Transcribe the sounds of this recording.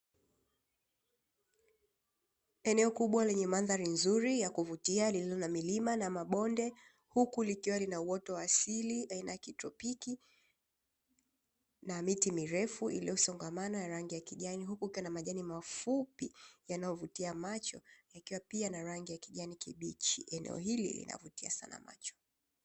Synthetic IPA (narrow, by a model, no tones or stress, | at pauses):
ɛnɛɔkuɓwalɛɲɛmanðaɾinzuɾijakuvutialililɔnamilimanamaɓɔndɛ | hukulikiwalinauwɔtɔwaːsiliainajakitɾɔpiki | namitimiɾɛfuʔḭliɔusɔŋɡamanɔjaɾaŋɡijakiʄaniɦukukiwanamaʄanimafupijanajɔvutiamat͡ʃɔjakiwapianaɾaŋɡijakiʄanikiɓit͡ʃḭɛnɛ̰ɔ̰ɦilḭlḭna̰vutia̰sa̰na̰ma̰t͡ʃɔ̥